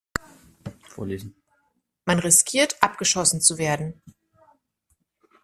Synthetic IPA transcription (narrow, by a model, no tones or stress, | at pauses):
fo̰ːɐleːzn̩ | manʁɪskʰiːɐtʔapɡ̥əʃɔsn̩t͡suveːɐdn̩